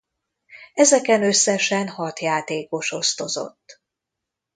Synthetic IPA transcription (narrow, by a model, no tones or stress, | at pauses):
ɛzɛkɛnø̞sːɛʃɛnhɒt̪jaːt̪eːko̞ʃo̞st̪o̞zo̞̰t̪ː